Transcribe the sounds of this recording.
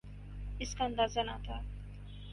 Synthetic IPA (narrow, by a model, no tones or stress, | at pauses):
ɪskaɐ̃nd̪aːzana̰t̪a